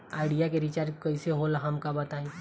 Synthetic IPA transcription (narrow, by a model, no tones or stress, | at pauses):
aːɪɖijakeɾit͡ʃaːɾkɐiseɦolɦɐmkabɐt̪aːi